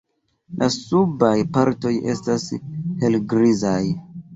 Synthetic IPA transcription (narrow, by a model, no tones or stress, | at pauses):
lʔasubajpaɾto̞je̞̰stashelɡɾizaj